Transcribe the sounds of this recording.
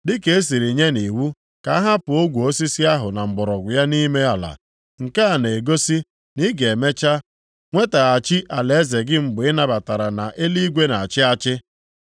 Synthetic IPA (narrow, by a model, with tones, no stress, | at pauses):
dɪ˦ke˨e˦s̬i˨ɾi˨ɲe˦ni˨wu˦ | ka˨˦a˦ɦa˦pʊ˨o˦ɡʷu˨o˦si˦si˦a˦ɦʊ˨na˨ŋ͡m̩˨ɡ͡bɔ˨ɾɔ˨ɡʷʊ˨ja˦ni˦me˦a˨la̰˨ | ŋ̩˨ka˦a˨ne˨e˨ɡo˦si˦ | ni˦ɡe˨me˦t͡ʃa˦ | ŋʷe˦ta˨a˨t͡ʃɪ˦ʔa˨le˨e˦ze˨ɡɪ˦ŋ͡m̩˨ɡ͡bɪ˦na˦ba˨ta˨ɾa˨na˨ʔe˦li˦ɡʷe˦na˨a˨t͡ʃɪ˦a˦t͡ʃɪ˦